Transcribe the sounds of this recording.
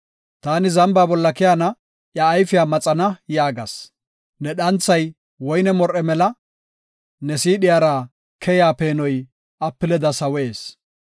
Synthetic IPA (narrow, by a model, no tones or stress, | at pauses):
t̪aːnɪzɐmbaːbɔlːɐkɛjanɐ | ʔjɐːjfɪjaːmɐt͡sʼɐnɐjaːɡɐ̰s | nɛɗɐnt͡sːɐj | wɔjnɛmɔɾɛmɛlɐ | nɛsiːɗɪjaːɾa | kʰɛjaːpeːnɔj | ʔɐpːɪlɛd̪ɐsɐweːs